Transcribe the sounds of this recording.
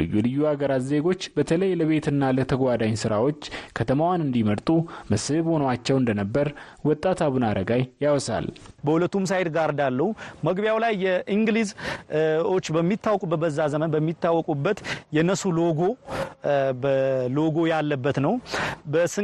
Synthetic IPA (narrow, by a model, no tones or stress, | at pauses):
lɨ̰jːulɨjːuaɡəɾat̪ze̞ɡo̞t͡ʃːbət̪ʰələjləβe̞t̪ɨnːalət̪ʰəɡʷad̪aɲsɨɾawo̞t͡ʃːkʰət̪ʰəmawanɨnd̪iməɾt̪ʼumɨsɨβho̞nwat͡ʃːɛwɨnd̪ənəbːəɾ | wɔt̪ʼːat̪ʰaβunaɾəɡajːawɔsa̰lbəhulət̪ːums̬ajd̪ɡaɾd̪alːəhuməɡbjawlajːɛʔiŋɡliz | o̞t͡ʃːbəmːit̪ːawɔkʼubːət̪bəzːazəmənbəmːit̪ːawːɔkʼubːət̪jɛnːəsuloɡo̞ | bəlo̞ɡo̞jalːəbːət̪nəwbəsɨ